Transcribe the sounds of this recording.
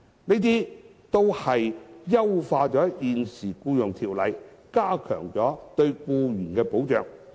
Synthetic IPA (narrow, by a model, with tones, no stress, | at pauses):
ne˥t̪̬iː˥ | t̪o˥whɐ˨jjɐ˥wfaː˧t͡ʃɔː˨˥jiː˨nsiː˨˩kuː˧jʊ˨˩ŋt̪ʰiː˨˩wlɐ˨jkaː˥kʰœ̰ː˨˩ŋt͡sɔː˨˥t̪ɵ˧ɥkuː˧jyː˨˩nkɛː˧po˨˥wt͡ʃœː˨ŋ